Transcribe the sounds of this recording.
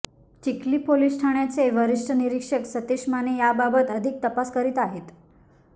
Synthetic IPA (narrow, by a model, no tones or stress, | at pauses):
t͡ɕikliːpolisʈʰaɳjat͡seʋəɾiʂʈʰəniɾikʂəksət̪iʂmanejababət̪əd̪ʱik̚t̪əpaskəɾit̪aɦet̪